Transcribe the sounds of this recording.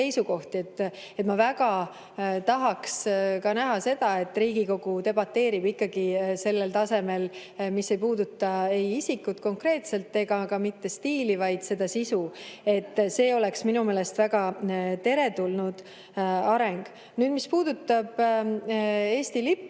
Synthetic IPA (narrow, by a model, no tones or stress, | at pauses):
e̞jsuko̞ht̪ie̞t̪ːˑ | e̞t̪mɑvæɡɑ | t̪ɑɦɑkskɑnæɦɑse̞d̪̥ɑe̞t̪ːˑriːɡ̥iko̞ɡ̥ut̪e̞bɑt̪ːe̞ːɾibikːɑɡ̥ise̞lːe̞lt̪ɑse̞me̞l | mise̞jpuːd̪ut̪ˑːɑe̞jisikːˑut̪ko̞ŋkre̞ːt̪se̞lt̪ːe̞ɡɑkɑmit̪ːe̞st̪iːlivɑjd̪̥se̞d̪̥ɑsisue̞t̪ːse̞ːo̞le̞ksminumeːle̞st̪væɡɑt̪e̞ɾe̞t̪ulnud̪̥ | ɑɾe̞ŋɡ̥ | nyːd̪̥mispuːd̪̥ut̪ːɑb̥ | e̞ːst̪ilipː